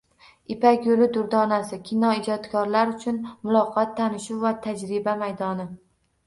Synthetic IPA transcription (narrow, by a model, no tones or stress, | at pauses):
ɪpakʲjolɪd̪ʊɾd̪ɒnasɪkʲʰɪnɒɪd͡ʒɒt̪kʰɒɾlaɾʊt͡ʃʰʊnmʊlˠɒqʰɑt̪ʰːanɪʃuwvat̪ʰad͡ʒɾɪbamajd̪ɒnɪ